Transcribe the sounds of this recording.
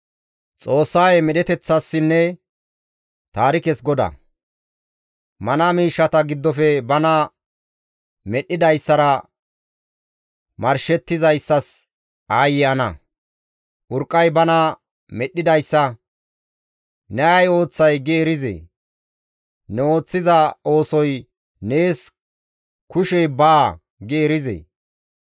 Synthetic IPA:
t͡sʼo̞ːsːaːjemɛɗɛt̪ɛt͡sːɐsːɪnːɛ | t̪aːɾɪkɛsɡɔd̪ɐ̰ | mɐnɐmiːʃːɐt̪ɐɡɪd̪ːɔfɛbɐnɐ | mɛɗːɪd̪ɐjsːɐɾɐ | mɐɾʃɛt̪ːɪzɐjsːɐs | aːjɪɐnɐ | ʔʊɾkʼːɐjbɐnɐ | mɛɗːɪd̪ɐjsːɐ | nɛɐjo̞ːt͡sːɐjɡeːɾɪzḛ | nɛo̞ːt͡sːɪzɐo̞ːsɔj | ne̞ːs | kʊʃɛjbaː | ɡeːɾɪzḛ

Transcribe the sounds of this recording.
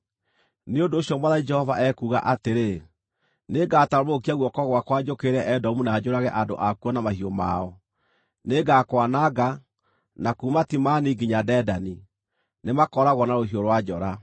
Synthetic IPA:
neondoːɕjɔmwaðad͡ʒɛhɔvaʔɛkuːɣa̰ʔateɾe | neɡataomokiaɣwɔkɔɣwakwad͡ʒokeɾɛʔɛdɔmunaːd͡ʒoɾaɣɛʔando̰ʔakuɔnamahioma̰ɔ | neɡakwanaɡa | nakumatimaniɡiɲadɛdani | nemakɔɾaɣwɔnaɾohioɾwad͡ʒɔɾa

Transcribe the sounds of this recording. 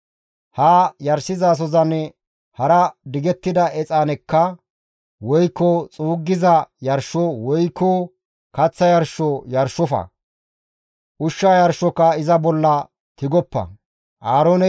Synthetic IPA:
haːjɐɾsɪzaːs̬ɔzɐn | hɐɾɐd̪ɪɡɛt̪ːɪd̪ɐʔɛt͡sʼaːnɛkːɐ | wɔjkːɔt͡sʼuːɡːɪzɐjɐɾʃɔwɔjkːɔ | kɐt͡sːɐjɐɾʃɔjɐɾʃːɔfɐ̰ | ʔʊʃːaːjɐɾʃːɔkːɐɪzɐbɔlːɐ | t̪ɪɡɔpːɐ̰ | ʔaːɾoːnɛ

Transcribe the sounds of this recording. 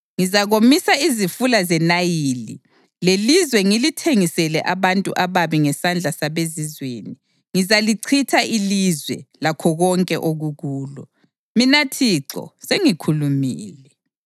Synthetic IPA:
ŋizaɣomisaizifulazɛnajilḭ | lelizwɛŋilitʰeŋisɛlɛʔaβantʼuʔaβaβiŋɛsand͡ɮʱasaβezizweːni | ŋizaliǀʰitʰaʔilizwɛ̰lakʰɔɣɔŋkʼɛʔoɣuɣuːlɔ̰ | minatʰiǁɔ̰seŋikʰulumiːlɛ

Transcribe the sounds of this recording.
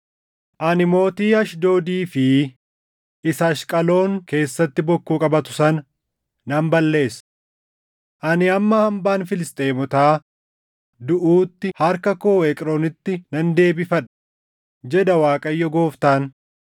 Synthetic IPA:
ʔɐnɪmo̞ːt̪iːɐʃd̪oːd̪iːfɪ | ɪsɐʃkʼɐlo̞ːŋke̞ːsːɐt̪ːɪbɔkːuːkʼɐbɐt̪ʊ̥sɐn | nɐmbɐlːe̞ːs | ʔɐnɪɐmːɐhɐmbaːnfɪlɪst̪ʼeːmɔt̪aː | d̪ʊʔuːt̪ːɪhɐɾkɐkoːɛkʼɾoːnɪt̪ːɪnɐnd̪e̞ːbɪfɐᶑɐ̥ | d͡ʒɛd̪ɐwaːkʼɐjːɔɡo̞ːft̪aːn

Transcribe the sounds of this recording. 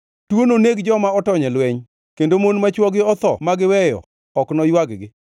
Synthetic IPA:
twononeɡd͡ʒɔmaɔtɔɲɛlwɛɲ | kendomonmat͡ʃwɔɡɪɔt̪ɔ̰maɡɪwɛjɔ̰ | ɔknɔjwaɡɡɪ

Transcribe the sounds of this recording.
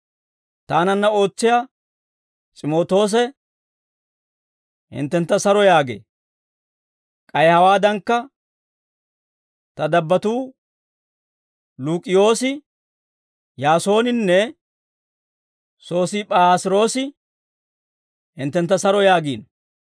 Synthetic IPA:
t̪aːnɐnːɐo̞ːt͡sːɪjaː | t͡ʃʼɪmo̞ːt̪o̞ːs̬ɛ | hɪ̰nt̪ːɛnt̪ːɐsɐɾɔjaːɡḛː | kʼɐjhɐwaːd̪ɐŋkːɐ | t̪ɐd̪ɐbːɐt̪uː | luːkʼɪjo̞ːsɪ | jaːso̞ːnɪnːɛ | so̞ːsɪpʼaːsɪɾo̞ːsɪ | hɪ̰nt̪ːɛnt̪ːɐsɐɾɔjaːɡiːn

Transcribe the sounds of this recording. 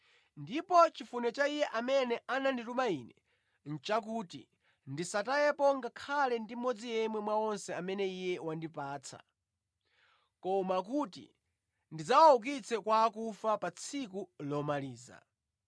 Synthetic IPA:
ndipɔt͡ʃifunɛt͡ʃaijɛʔamɛnɛʔananditumainɛ | n̩t͡ʃak̬uːtḭ | ndisatajɛpɔŋɡakʰalɛndimɔd͡zijɛmwɛmwaɔnsɛamɛnɛijɛwandipaːt͡sʰa̰ | kɔmak̬utḭ | ndid͡zawauk̬it͡sʰɛkwaːkufapat͡sʰikulɔmaliːza̰

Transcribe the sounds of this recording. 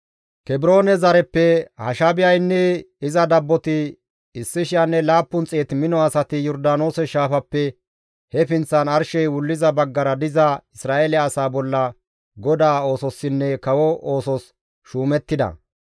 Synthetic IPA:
kɛbɾo̞ːnɛzɐɾɛpːɛhɐ̰ʃabɪjɐjnːɛɪzɐd̪ɐbːɔt̪ɪ | ɪsːɪʃɪjanːɛlaːpːʊnt͡sʼeːt̪mɪnɔɐsɐt̪ɪjɔɾd̪aːno̞ːsɛʃaːfɐpːɛ | hɛfɪnt͡sːɐnɐɾʃɛjwʊlːɪzɐbɐɡːɐɾɐd̪ɪzɐɪsɾaːelɪːsaːbɔlːɐ | ɡɔd̪aːo̞ːsɔsːɪnːɛkɐwɔo̞ːsɔs | ʃuːmɛt̪ːɪd̪ɐ̰

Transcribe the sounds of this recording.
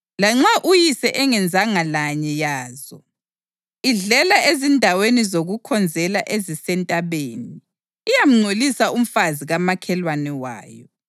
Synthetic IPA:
laŋ͡ǁaʔujisɛʔɛŋɛnd͡zʱaŋalaɲɛjaːzɔ | iɮɛlaezindʱawenizoɣukʰɔnd͡zʱɛlaʔezisɛntʼaβeːniː | jam̩ŋ͡ǀʱolisaum̩faziɣamakʰɛlwanɛwa̰ːjɔ

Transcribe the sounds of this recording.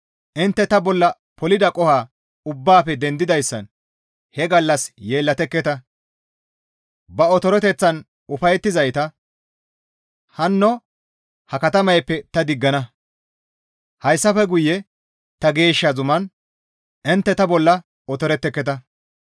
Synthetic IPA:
ʔɪnt̪ːɛt̪ɐbɔlːɐ | pɔlɪd̪ɐkʼɔhaː | ʊbːaːfɛd̪ɛnd̪ɪd̪ɐjsːɐ̰n | hɛɡɐlːɐsje̞ːlːɐt̪ɛkːɛt̪ɐ | bɐɔt̪ɔɾɔt̪ɛt͡sːɐn | ʊfɐjt̪ːɪzɐjt̪ɐ | hɐnːɔ | hɐkɐt̪ɐmɐjpːɛt̪ɐd̪ɪɡːɐnɐ | hɐjsːɐfɛɡʊjːɛ | t̪ɐɡe̞ːʃːɐzʊmɐn | ʔɪnt̪ːɛt̪ɐbɔlːɐ | ɔt̪ɔɾɛt̪ːɛkːɛt̪ɐ

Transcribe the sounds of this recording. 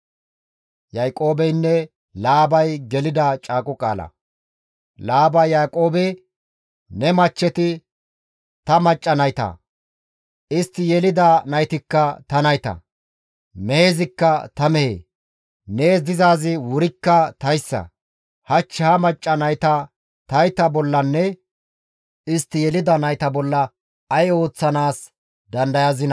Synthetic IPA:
jɐjkʼo̞ːbɛjnːɛ | laːbɐjɡɛlɪd̪ɐt͡ʃʼaːkʼʊkʼa̰ːlɐ̰ | laːbɐjaːkʼo̞ːbɛ | nɛmɐt͡ʃːɛt̪ɪ | t̪ɐmɐt͡ʃʼːɐnɐjt̪ɐ̰ | ʔɪst̪ːɪjɛlɪd̪anɐjt̪ɪkːɐt̪ɐnɐjt̪ɐ̰ | meeːzɪkːɐt̪ɐmɛhḛː | ne̞ːs̬d̪ɪzaːzɪwʊɾɪkːɐt̪ɐjsːɐ̰ | hɐt͡ʃːɪhɐmɐt͡ʃʼːɐnɐjt̪ɐ | t̪ɐjt̪ɐbɔlːɐnːɛ | ɪst̪ːɪjɛlɪd̪ɐnɐjt̪ɐbɔlːɐː | jo̞ːt͡sːɐnaːs | d̪ɐnd̪ɐjɐzɪnɐ

